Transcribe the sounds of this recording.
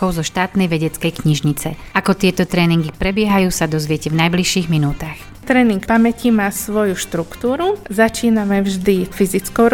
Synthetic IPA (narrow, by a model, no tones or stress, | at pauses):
ɔʊzɔʃt̪aːt̪nɛjʋɛɟɛt͡skɛjkɲiʒɲit͡sɛ̰ʔakɔt̪ɪɛt̪ɔt̪ɾɛːniŋɡipɾɛbɪɛɦajuːsad̪ɔzʋɪɛcɛvnajbliʃiːɣminuːt̪ax | t̪ɾɛːniŋkpamɛcimaːsʋɔjuʃt̪ɾukt̪uːɾuzat͡ʃiːnamɛvʒd̪ifizit͡skɔʊɾ